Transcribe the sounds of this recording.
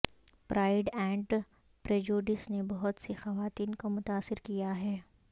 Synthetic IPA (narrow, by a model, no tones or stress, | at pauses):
pɾaːɪɖɛ̃ːɳʈ | pɾeːd͡ʒuːɖɪsnebɐɦʊt̪sexɐʋaːt̪iːnkomʊt̪aːsːɪɾkijaɦɛː